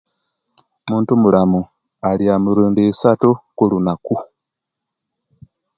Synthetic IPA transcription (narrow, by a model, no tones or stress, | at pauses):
muːntumulamu | aliamuɾuːndiisatukulunaku